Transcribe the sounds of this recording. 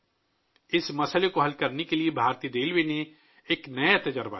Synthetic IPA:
ɪsmɐsəlekoɦɐlkɐɾnekeliebʱaːɾt̪id̪eːlbeːne | eːknɐeɐt̪ed͡ʒəɾba̰

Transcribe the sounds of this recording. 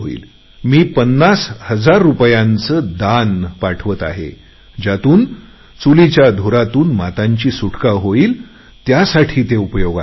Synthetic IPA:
ɦoḭːl | miːpənːashəd͡zaɾːupjãnt͡səːd̪anpaʈʰʋət̪a̰ɦḛ | d͡ʑat̪uːn | t͡sulit͡ɕjad̪ʱoɾat̪uːnmat̪ãɲt͡ɕiːsuʈʰkaɦoiːl | t̪jasaʈʰiːt̪eupəjoɡa

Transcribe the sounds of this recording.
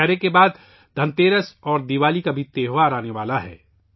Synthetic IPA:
ɛɦɾekebaːd̪ | d̪ʱɐ̃nt̪eːɾəsɔːɾd̪iʋaːlikabʱit̪eːɦoaɾaːneʋaːlaɦɛ̰ː

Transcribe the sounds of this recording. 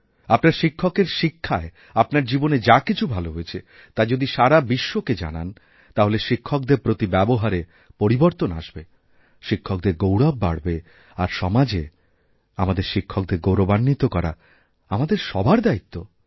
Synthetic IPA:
apnaɾʃikʰːokeɾʃikʰːae | apnaɾd͡ʑiboned͡ʑakit͡ɕʰubʱaloɦoet͡ɕʰe | t̪ad͡ʑod̪iʃaɾabiʃːoked͡ʑa̰na̰n | t̪aɦoleʃikʰːok̚d̪eɾpɾot̪ibɛboɦaɾe | poɾiboɾt̪ona̰ʃbe | ʃikʰːok̚d̪eɾɡowɽabːa̰ɽbe | aɾʃɔmad͡ʑe | amad̪eɾʃikʰːok̚d̪eɾɡowɾobanːit̪okɔɾa̰ | amad̪eɾʃɔbʱaɾd̪ait̪ʰːo

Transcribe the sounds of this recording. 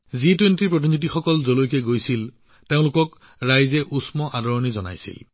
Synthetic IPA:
zitwentiɹpɹot̬initixɔkɔlzolojkɛɡojsil | teʊ̃lʊkɔk | ɹajzɛʔusmɔʔadɔɹɔnizɔna̰jsḭl

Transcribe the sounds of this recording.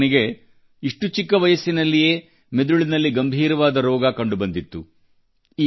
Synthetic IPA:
niɡe̞ | iʂʈut͡ʃikːɐʋɐjɐsinɐlːije̞ː | me̞d̪uɭinɐlːiɡɐmbʱiːɾɐʋaːd̪ɐɾɔːɡɐkɐɳɖubɐnd̪it̪ːu | iː

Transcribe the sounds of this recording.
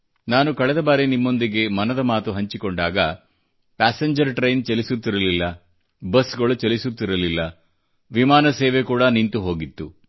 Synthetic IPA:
naːnukɐɭɛd̪ɐbaːɾenimːo̞nd̪iɡe̞mɐnɐd̪ɐmaːt̪uɦɐɲt͡ʃikoɳɖaːɡɐ | pæːseɲd͡ʒɐɾʈɾejnt͡ʃelisut̪ːiɾɐlilːɐ | bɐsɡɐɭut͡ʃelisut̪ːiɾɐlilːɐ | ʋimaːnɐseːʋe̞kuːɽɐnint̪uɦo̞ːɡit̪ːu

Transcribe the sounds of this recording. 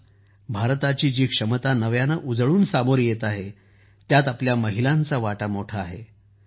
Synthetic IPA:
bʱaɾt̪at͡ɕiːd͡ʑiːkʂəmət̪anəʋjanaʔud͡zɭuːnsamoɾjet̪aɦe | t̪jat̪apljaməɦilãnt͡saʋaʈamoʈʰaːɦe

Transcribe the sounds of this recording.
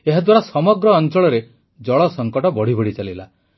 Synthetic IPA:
eɦad̪waɾasɔmɔɡɾɔːnt͡ʃɔɭɔɾe | d͡ʒɔɭɔsɔŋkɔʈɔbɔɽ̤ibɔɽ̤it͡ʃalila

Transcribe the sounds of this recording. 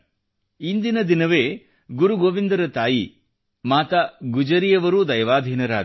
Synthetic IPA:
ind̪inɐd̪inɐʋeː | ɡuɾuɡoːʋind̪ɐɾɐt̪aːji | maːt̪ɐɡud͡ʒɐɾijɐʋɐɾud̪ɐjɐʋaːd̪ʱiːnɐɾa̰ː

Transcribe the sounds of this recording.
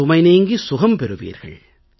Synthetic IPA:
ʊmɐɪneːŋɡisʊɣɐmpɛɾɯʋḭːɾɣɐ̰ɭ

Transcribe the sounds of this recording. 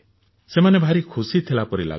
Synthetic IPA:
semanebʱaɾikʰusit̪ʰilapɔɾila̰

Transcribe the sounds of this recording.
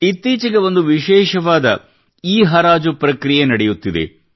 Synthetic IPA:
it̪ːiːt͡ʃiɡeʋo̞nd̪uʋiʃɛːʃɐʋaːd̪ɐ | iːɦɐɾaːd͡ʒupɾɐkɾijenɐɽejut̪ːid̪e̞̰

